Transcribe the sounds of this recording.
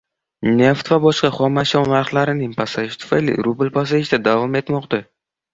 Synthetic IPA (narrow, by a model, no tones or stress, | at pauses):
ne̞ft̪vabɒʃqɑχɒmaʃɒnnaɾχlaɾɪnɪŋpʰasaɪʃt̪ʰʊ̥fajlɪ̰ɾubɪlpas̬aɪʃd̪ad̪avɒme̞t̪mɒqd̪a